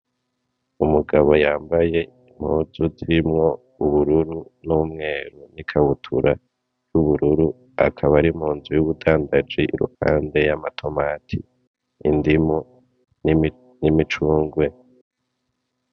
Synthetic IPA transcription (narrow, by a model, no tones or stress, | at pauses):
umuɡaβo̞jaːmbaje̞ | im̥huːzuziɾimŋo̞ | uβuɾuɾunuːmŋe̞ːɾunikʰaβutʰṵɾʔa | juβuɾuɾu | a̰kʰaβaɾimuːnzujuβudaːndad͡ʒiʔḭɾṵha̰ːnde̞jamatʰo̞maːtʰḭː | ndimu | ni | nimit͡ʃuːŋɡwe̞